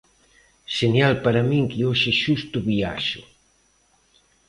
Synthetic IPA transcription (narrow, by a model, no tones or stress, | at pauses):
ʃenjalpaɾamĩŋkioʃɪʃust̪ʊβia̰ʃʊ̰